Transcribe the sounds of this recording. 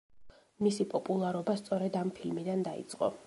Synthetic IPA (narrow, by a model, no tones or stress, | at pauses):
misipʼɔpʼulˠaɾɔbast̪sʼɔɾɛd̪ampʰilmid̪and̪aḭt̪sʼqʼɔ̰